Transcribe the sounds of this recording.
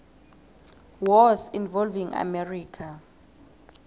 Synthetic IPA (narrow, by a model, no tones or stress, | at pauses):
wɔsinvɔlviŋa̰mɛriːkʰa